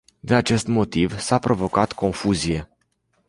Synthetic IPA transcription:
d̪inat͡ʃe̞st̪mo̞t̪ivsapɾo̞vo̞kat̪kʰo̞nfuzije̞

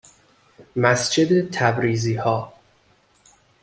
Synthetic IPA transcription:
mæsd͡ʒed̪et̪ʰæbɾiːziːhɒː

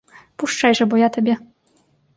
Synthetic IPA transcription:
puʂt͡ʂajʐɛbɔjat̪ɔbʲɛ

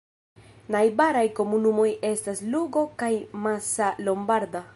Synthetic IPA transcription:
najbaɾajko̞munumo̞je̞stasluɡo̞kajmasalo̞mbaɾda

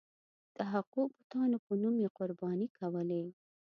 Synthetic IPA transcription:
d̪̥əɦaqubʊt̪ɑnopənumjeqʊɾbɑnikʰawəle

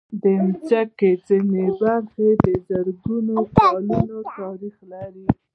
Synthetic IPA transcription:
d̪əmt͡sakezinebaɾxed̪əzaɾɡunokɑlunot̪ɑɾixlaɾi

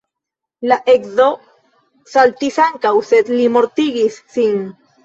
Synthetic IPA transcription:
laʔekzo | salt̪isaŋkawsed̪limo̞ɾt̪iɡisːin

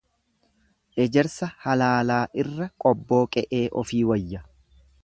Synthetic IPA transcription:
ʔɛd͡ʒɛɾsɐhɐlaːlaːʔɪrːɐkʼɔbːo̞ːkʼɛʔeːʔɔfiːwɐjːɐ

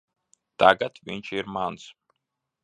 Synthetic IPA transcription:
d̪̥aɡat̪ʰvint͡ʃʰiɾmans

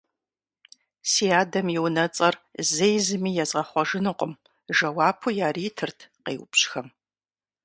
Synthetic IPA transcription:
siːaːdɐmjiwnɐt͡sʼɐrzejzɨmiːjɛzʁɐχʷɔʒɨnɨqʷʼʊm | ʒɐwaːpʰujaːriːtʰɨrtʰqḛːwpɕxɐm

